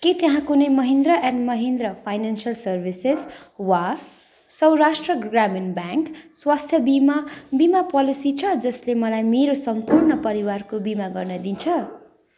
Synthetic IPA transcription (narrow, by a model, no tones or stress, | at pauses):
ket̪jeɦãkunejmʌɦind̪rʌʔanmʌɦind̪rʌpʰajnansʌlsʌrbʱiseswa | sʌwɾasʈrʌɡraminbaŋkswast̪ʰjʌbimabimapʌlisit͡sʰʌd͡zʌslemʌlajmeɾosʌmpurnʌpʌɾiwarkobimaɡʌrnʌd̪int͡sʰʌ